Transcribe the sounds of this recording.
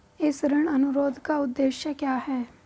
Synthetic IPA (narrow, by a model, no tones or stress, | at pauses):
ɪsɾɪɽ̃ɐnʊɾoːd̪ʱkaʊd̪ːeːʃjəkjaːɦɛː